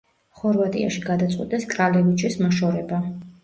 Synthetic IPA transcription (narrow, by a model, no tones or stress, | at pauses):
χɔɾvat̪ʼḭa̰ʃiɡad̪at̪sʼqʼwḭt̪ʼɛskʼɾalɛvit͡ʃʰɛsmaʃɔɾɛba